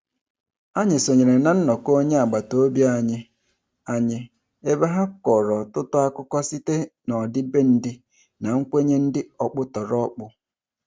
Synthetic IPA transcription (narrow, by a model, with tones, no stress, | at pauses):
a˦ɲɪ˨so˨ɲe˨ɾe˨na˨n̩˦nɔ˨ko˦ɲe˦a˨ɡ͡ba˨to˦bja˦˨ɲɪ˦ | a˦ɲɪ˦ | e˦ba˦ɦa˦kɔ˨ɾɔ˨tʊ˦tʊ˦a˦kʊ˦kɔ˦si˦te˦nɔ˨dɪ˦be˦n̩˦dɪ˦ | na˨ŋ̩˦kʷe˦ɲe˦n̩˦dɪ˦ɔ˨k͡pʊ˦tɔ˨ɾɔ˦k͡pʊ˦